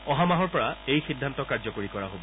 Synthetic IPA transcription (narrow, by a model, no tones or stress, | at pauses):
ɔɦamaɦɔɹpɔɹaejxidʱːantɔkaɹzɔkoɹikɔɹaɦobɔ